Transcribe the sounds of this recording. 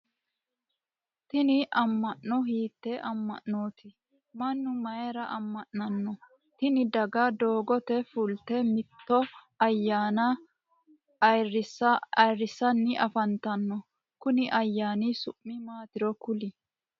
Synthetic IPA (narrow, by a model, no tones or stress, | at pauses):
t̪ɪnɪʔɐmːɐʔːɔɦiːt̪ːɛʔɐmːɐ̰ʔːo̞ːt̪ɪ | mɐnːʊmɐjɛɾɐʔɐmːɐʔːɐnːɔ | t̪ɪnɪd̪ɐɡad̪o̞ːɡɔt̪ɛfʊlt̪ɛmɪt̪ːɔ | ɐjːaːnɐ | ɐjrːɪsɐjrːɪsɐnːɪɐfɐnt̪ɐnːɔ | kʊnɪʔɐjːaːnisʊʔːɪmaːt̪ɪɾɔkʊlɪ